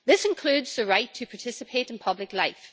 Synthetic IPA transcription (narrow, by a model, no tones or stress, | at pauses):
ðɪsɨ̃nkʰl̥ʉdz̥əɹaɪtʰəpʰaɹtʰɪsɨpʰeʔn̩pʰʌblˠɪklˠaɪf